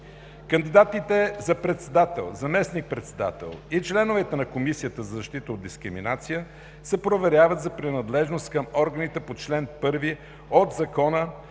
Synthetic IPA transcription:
kɐnd̪id̪at̪it̪ɛzɐpɾɛt̪sɛd̪at̪ɛ̰lˠzɐmɛsnik̚pɾɛt̪sɛd̪a̰t̪ɛ̰lˠit͡ʃlɛnovɛt̪ɛnɐkomisijət̪əzɐzɐʃt̪it̪əod̪̚d̪iskɾimḭnat̪sijə | sɛpɾovɛɾʲjavət̪zɐpɾinɐd̪lɛʒnost̪kəmɔɾɡənit̪ɛpot͡ʃlɛnpɤɾvi | ot̪zɐkɔnə

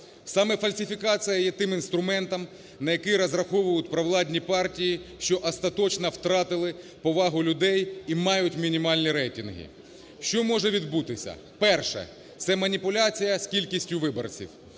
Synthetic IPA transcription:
sɑmɛfɐlʲsʲɪfʲikɑt͡sʲijɐjɛt̪ɪmɪnst̪ɾʊmɛnt̪ɐm | nɐjɐkɪɾɐzrɐxɔʋʊjʊt̪̚ʲpɾɐʋlˠɑdʲnʲipɑrtʲijiʃt͡ʃɔʔɐst̪ɐt̪ɔt͡ʃnɐwt̪ɾɑt̪ɪlˠɪ | pɔʋɑɦʊlʲʊd̪ɛjimɑjʊtʲmʲinʲimɑlʲnʲiɾɛjtʲinɦɪ̰ | ʃt͡ʃɔmɔʒɛʋʲid̪but̪ɪsʲɐ̰ | pɛrʃɛ̰ | t̪sɛmɐnʲipʊlʲat͡sʲijɐskʲilʲkʲisʲtʲʊʋɪbɔ̰rt͡sʲḭw

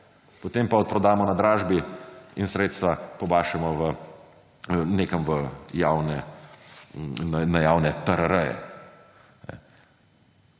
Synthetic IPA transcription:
pot̪eːmpaɔt̪̚pɾɔd̪aːmɔnad̪ɾaːʒbiinsɾeːt̪st̪ʋapɔbaːʃɛmɔʋə | neːkɐmʋəjaːwnɛ | anajaːwnɛt̪əɾəɾəjɛ̰ | nɛ̰

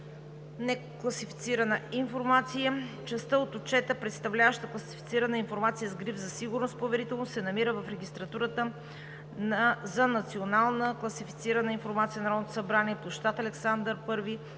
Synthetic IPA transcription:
nɛklˠɐsifi̥t̪siɾənəinfoɾmat̪sijət͡ʃɛst̪əot̪ot͡ʃɛt̪əpɾɛt̪st̪ɐvlʲavəʃt̪əklˠɐsifit̪siɾɐnəinfoɾmat̪sijəzɡɾivzɐsiɡʊɾnost̪̚povɛɾit̪ɛlˠnosɛnɐmiɾəvɐfɾɛɡʲist̪ɾɐt̪uɾət̪ə | nzɐnɐt̪sionalˠnəklˠɐsifit̪siɾɐnəinfoɾmat̪siənɐɾɔd̪not̪o̥sɐbɾaniɛplˠoʃt̪at̪ɐlɛksand̪əɾpɤɾvi

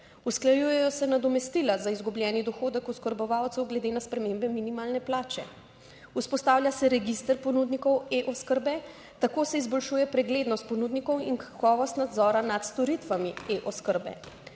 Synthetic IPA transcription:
usklajuːjɛjɔsɛnad̪ɔmɛst̪ilazaizɡublʲjɛːnid̪ɔxoːd̪ɛkɔskəɾbɔʋawt̪sɛwɡlɛd̪eːnaspɾɛmembɛminimaːlnɛplaːt͡ʃɛ̰ | uspɔst̪aːwlʲjasɛɾɛɡist̪əɾpɔnud̪nikɔweʔɔskəɾbɛ | t̪akoːsɛizbɔlʃujɛpɾɛɡleːd̪nɔst̪̚pɔnud̪nikɔwinkḁkɔːʋɔst̪nad̪zɔːɾanat̪st̪ɔɾit̪ʋamieʔɔskəɾbɛ̰

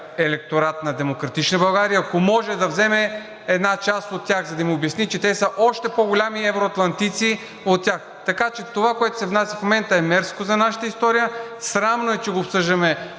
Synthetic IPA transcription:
ɛlɛk̚t̪oɾat̪nɐd̪ɛmokɾɐt̪it͡ʃnəbɐlˠɡaɾiəɐkomɔʒɛd̪ɐvzɛmɛ | ɛd̪nat͡ʃast̪ot̪ʲːjaxzɐd̪ɐmiʊbjɐsnit͡ʃɛt̪ɛsəʔɔʃt̪ɛpoɡolʲamiɛvɾoɐt̪lˠɐnt̪it̪si | ot̪ːʲjax | t̪ɐkat͡ʃɛt̪ovakoɛt̪ʊ̥sɛvnasʲɐfmomɛnt̪əɛmɛɾskozɐnaʃə̥t̪əist̪ɔɾijəsɾamnoɛt͡ʃɛɡoːpsɤʒd̪ɐmɛ

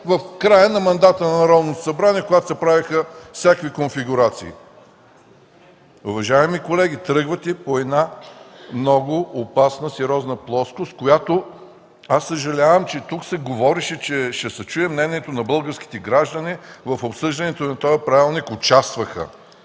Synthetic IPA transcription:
vɐfkɾajənɐmɐnd̪at̪ənɐnɐɾɔd̪not̪o̥sɐbɾaniɛkoʊɡat̪o̥sɐpɾavixəfsʲakvikonfiɡʊɾat̪siː | ʊvɐʒaɛmikolɛɡ̟it̪ɾɤɡvət̪ipoɛd̪namnɔɡʊopasnəsɛɾʲɔznəplˠɔskʊst̪kojat̪o | asːəʒɐlʲavəmt͡ʃɛt̪uksɛɡovɔɾiʃɛt͡ʃɛʃɛsɐt͡ʃujɛmnɛnʲiɛt̪onɐbɤlˠɡəɾski̥t̪ɛɡɾaʒd̪ɐnivɐfopsɤʒd̪ɐnɛt̪onɐt̪ɔjɐpɾavʲilˠnikʊt͡ʃast̪vəxə̰

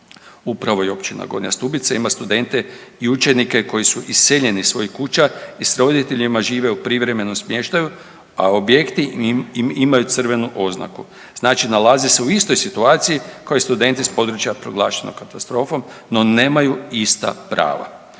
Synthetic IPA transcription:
upɾaʋo̞jeo̞pt͡ʃina̰ɡo̞ɾɲa̰st̪ubit̪saimast̪ud̪e̞nt̪e̞iut͡ʃe̞nike̞ko̞jisuʔisːeʎe̞nisʋo̞jikut͡ʃaisɾo̞d̪it̪e̞ʎimaʒiːʋe̞upɾiʋɾe̞me̞nomsmje̞ːʃt̪aju | ao̞bje̞kt̪imimajut̪sɨr̩ʋe̞nuʔo̞zna̰ku | znaːt͡ʃinalazese̞uist̪o̞jsit̪uaːt̪sijikojist̪ud̪e̞nt̪ispo̞d̪ɾut͡ʃjapɾo̞ɡlˠaːʃenoɡkat̪ast̪ɾo̞ːfo̞m | no̞ne̞ːmajuist̪a̰pɾa̰ːʋa̰

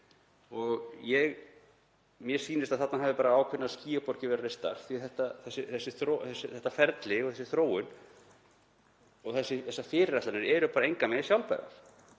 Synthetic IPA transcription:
ɔɣjɛɣ | mjɛ̥siːnɪst̪aðθat̪naɦaːvðɪpaːɾaaːwkʰvʏnːaðsciːapɔɾcɪvɛɾarest̪a̰ɾ̥θiθɛht̪aθɛsːɪθɛsːɪθɾoθɛsːɪθɛht̪ːafɛɾt̪lɪɔɣθɛsɪθɾoːwʏn | ɔɣθɛsːɪθɛsːafɪːɾɪɾat̪lanɪɾɛɾʏpaːɾaejŋkamɛsjawlpɛ̰ɾa̰θ

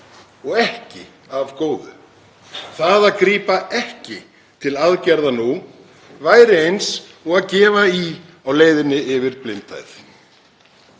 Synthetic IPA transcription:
ɔɣɛhcɪ | avkoːwðʏ̰ | θaðakɾiːpaʔɛhcɪ | t̪ʰɪlaðcɛɾðanu | vaːjɾɪejns | ɔɣaðcɛːvai | awleːjðɪnːɪɪvɪɾplɪnt̪a̰jθ

